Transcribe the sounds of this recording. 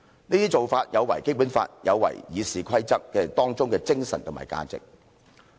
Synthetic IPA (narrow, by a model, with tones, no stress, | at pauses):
niː˥t̪iː˥t͡so˨wfaː˧t̚jɐ˨˧wɐ˨˩jke˥jpu˨˥nfa̰ː˧t̚jɐ˨˧wːɐ̰˨˩jjiː˨˧siː˨kʰɐ˥jt͡sɐ˥k̚ːɛː˧t̪ɔː˥ŋt͡sʊ˥ŋkɛ˧t͡sɪ˥ŋsɐ˨nt̪ʰʊ˨˩ma̰ː˨˩jka̰ː˧t͡sɪ̰˨k̚